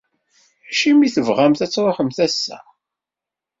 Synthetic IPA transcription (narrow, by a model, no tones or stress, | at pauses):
ʃimiθəvʁæmθæt͡sːwaħəmθæsːæ̰